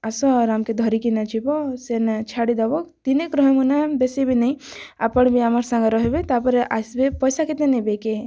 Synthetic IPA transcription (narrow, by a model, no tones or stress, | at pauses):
asɔɾamked̪ʱɔɾikinad͡ʒibɔsenat͡ʃʰaɽid̪abɔkt̪inekɾɔɦmunabesibʱinaĩa̰pəɽ̃bʱiamaɾsãŋɡeɾɔɦebet̪apɔɾʔasbepɔjsakit̪enebeke